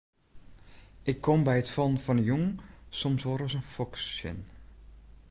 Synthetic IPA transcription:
ʔɪkʰːɔmbɛjətfɔnfɔnəjuŋsɔmsʋoːɾɔsənfɔksɪ̰n

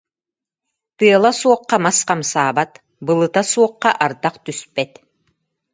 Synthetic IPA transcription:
t̪ɯɐlˠasuɔqːamasqamsaːbat̪ | bɯlˠɯt̪asuɔqːaʔaɾt̪aqt̪yspɛt̪

